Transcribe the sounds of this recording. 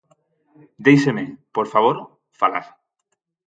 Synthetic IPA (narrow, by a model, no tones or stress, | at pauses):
d̪ejsemepoɾfaβ̞oɾ | fala̰ɾ